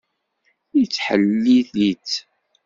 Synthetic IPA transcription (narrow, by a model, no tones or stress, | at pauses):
it͡sːħəlːiθit͡s